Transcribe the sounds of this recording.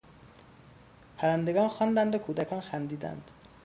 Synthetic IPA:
pʰæɾænd̪e̞ɡɒːnxɒnd̪ænd̪okʰuːd̪ækʰɒːnxænd̪iːd̪æ̰nd̪̥

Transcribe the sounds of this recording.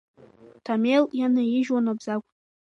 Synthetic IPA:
tʰameljanajiʒwanabzakʷʼ

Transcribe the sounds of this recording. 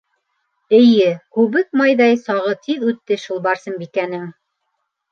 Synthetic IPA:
ɘ̆jɘkʉβɘk̚mɑjðɑjsɑʁɤt̪ʰiðʉt̪ːɘʃulˠbɑɾsɤ̆mbikænɘŋ

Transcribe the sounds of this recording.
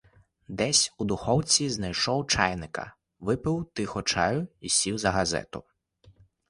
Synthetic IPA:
d̪ɛsʲud̪ʊxɔwt͡sʲiznɐjʃɔwt͡ʃɑjnɪkɐ̰ | ʋɪpɪwt̪ɪxɔt͡ʃɑjʊisʲiwzɐɦɐzɛ̰t̪ʊ̰

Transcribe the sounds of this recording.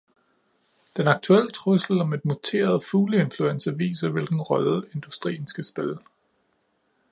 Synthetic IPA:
d̥enɑ̈ɡ̥̚t͡sʰuel̰t͡sʰʁusl̩ɒ̽me̝d̥mut͡sʰe̝̰ːɐð̞̩ˠfuːləe̝nfluensɐʋḭːsɐʋe̝lɡ̥n̩ʁɒ̽le̝nd̥usd̥ʁḭːn̩sɡ̥æsb̥elə

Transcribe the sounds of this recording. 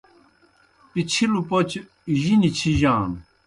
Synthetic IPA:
pit͡ɕʰilupot͡ɕʰ | iʑinit͡ɕʰiʑãːn

